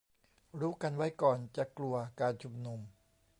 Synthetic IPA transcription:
ɾuː˦˥ka˧nwa˦˥jkɔː˨˩nt͡ɕa˨˩klu˧ɐkaː˧nt͡ɕʰu˧˩mnu˧m

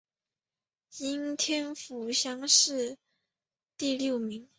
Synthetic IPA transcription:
i˥nt̪ʰjɛ˥nfu˧˥ɕjɑ˥ŋʂɻ̩˥˧ | t̪i˥˧ljo˥˩ʊmi˧˥ŋ

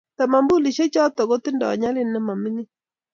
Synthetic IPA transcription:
t̪a˨ma˨mbu˦li˨ʃe˦t͡ʃɔ˦t̪ɔ˨ɡɔ˦t̪ɪ˦ndɔ̰˨ɔ̰˨ɲa˦lɪ˦nːɛ˦ma˨mɪ˦nɪ˦

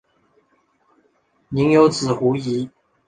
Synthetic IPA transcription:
ni˨˧˥ŋjo˧˥ʊt͡sɹ̩˨˩xu˨˥i˨˦

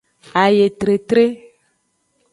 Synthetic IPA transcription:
a˨je˨t̪ɾe˨t̪ɾe˦

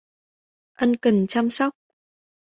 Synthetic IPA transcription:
ʔə˧nkə˨˩nt͡ɕa˧msɔ˦˥wk͡p̚

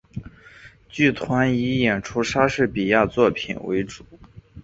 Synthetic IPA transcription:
t͡ɕy˥˩t̪ʰwa˧˥ni˧˥jɛ˨˩nʈ͡ʂʰu˥ʂa˥ʂɻ̩˥˩pi˨˩ja˥˧t͡swɔ˥˩pʰḭ˨˩nwḛ˧˥ɪʈ͡ʂu˨˩˦

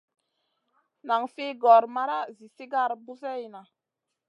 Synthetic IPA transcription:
na˨ŋfe˦ɡɔ˨ɾma˦ɾa˦zi˨si˦ɡa˦˨ɾbu˦sɛ˦jna˨

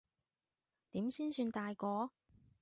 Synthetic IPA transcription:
t̪iː˨˥msiː˥nsyː˧nt̪aː˧jkɔː˨˧

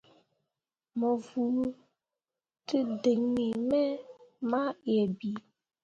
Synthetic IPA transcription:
mɔ˨vu˨˦ | tɨ˦de˨ŋni˨mɛ˦ma˦jɛ˨bi˨˦

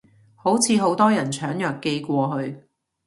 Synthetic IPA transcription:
ho˨˥wt͡sʰiː˨˧ɦo˨˥wt̪ɔː˥jɐ˨˩nt͡ʃʰœː˨˥ŋjœː˨˩kːe˧jkʷɔː˧ɦɵ˧ɥ

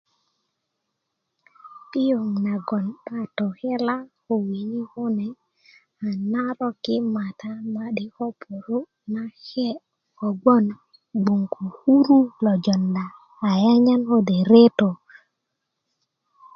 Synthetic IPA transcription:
i˦jo˨ŋna˨ɡɔ˨nɓa˦to˨hɛ˦la˦ | o˨wi˨ɲi˦hu˦nɛ˨ | a˨na˦ɾo˦ki˦ma˨t̪a˦ma˦ɗi˦ho˦pu˨ɾu˦ | na˦he˦ | o˨ɡo˦n | ɡ͡bu˨ŋkʰu˨hu˦ɾu˦lo˨d͡ʒɔ˨ndaː˨ | ja˦ɲa˦no˦de˨ɾe˦to˨

